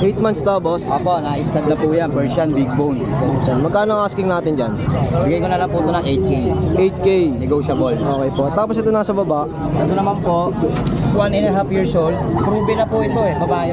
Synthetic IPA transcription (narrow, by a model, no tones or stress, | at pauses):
ʔejt̪̚manst̪aːbosʔoːpoʔnɐʔɪst̪ɐd̪̚nɐpujanpɛɹʃɐnbɪɡ̚bownonmɐɡ̚kaːnoʔaskɪŋnaːt̪ɪnd͡ʒɐnbɪɡɐjkonɐnɐpuːt̪onɐŋʔɛjt̪̚kejʔɛjt̪̚kejnɛɡoːʃɐbolʔoːkɛjpoʔt̪aːposɛt̪onaːsɐbɐbaʔ | ʔɐt̪onɐmanpoʔwanɛnɐɦafjiɹsʔowld̪̚pɾuːbɛnɐpʊɪt̪oɛpɐbaːj